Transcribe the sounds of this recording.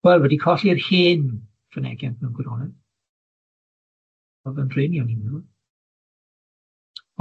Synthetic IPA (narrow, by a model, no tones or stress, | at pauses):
wɛlˠwɛdikʰɔɬirhiːn | fənɛ̰ɡjantʰnɛwnɡwɪɾɔnɛð̥ | ɔðənrɪniɔnɪmu